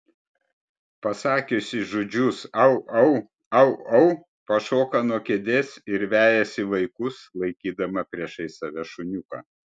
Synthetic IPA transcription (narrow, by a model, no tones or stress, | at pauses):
pɐsɑːkʲʊsʲɪʒod͡ʒʲʊsɐʊɐʊ | ɐʊɐʊ | pɐʃoːkɐnuɔkʲeɛd̪ʲeːsɪɾʋʲæːjɛsʲɪʋɐɪkʊslˠɐɪkʲiːd̪ɐmɐpʲɾʲiɛʃɐɪsɐʋʲɛʃʊnʲʊkɐ̰